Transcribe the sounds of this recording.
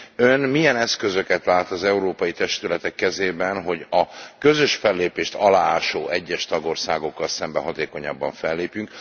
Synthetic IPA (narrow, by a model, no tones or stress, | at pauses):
ønmijɛnɛskø̞zø̞kɛt̪laːt̪ɒzɛuɾoːpɒjit̪ɛʃt̪ylɛt̪ɛkːɛzeːbɛnɦo̞ɟɒkø̞zøʃfɛlːeːpeːʃt̪ɒlaːaːʃoːɛɟːɛʃt̪ɒɡo̞rsaːɡo̞kːɒlsɛmbɛɦɒt̪eːko̞ɲɒ̰bːɒɱfɛlːeːpjyŋk